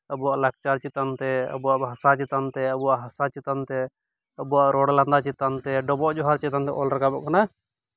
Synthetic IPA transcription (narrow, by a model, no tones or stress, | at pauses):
əbuaʔlak̚t͡ʃaɾt͡ʃit̪ant̪ɛə̰buaʔbʱɦasat͡ʃit̪ant̪ɛəbuwaʔɦasat͡ʃit̪ant̪ɛ | əbuwaʔɾɔɽland̪at͡ʃit̪ant̪ɛɖɔbɔʔd͡ʒɔɦaɾt͡ʃit̪ant̪ɛʔɔlɾɛkabɔʔkana